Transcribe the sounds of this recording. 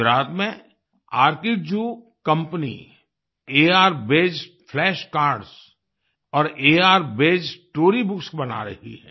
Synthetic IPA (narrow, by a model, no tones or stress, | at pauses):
ɾaːt̪mẽ | aːɾkiːʈ̚d͡ʒuː | kɐ̃mpnḭ | eːaːɾbeːd͡ʒ | fʰlɛːʃkaːɾɖz | ɔːɾeːaːɾbeːd͡ʒʈoːɾibʊksbɐna̰ɾɐ̰ɦḭɦɛ̰̃ː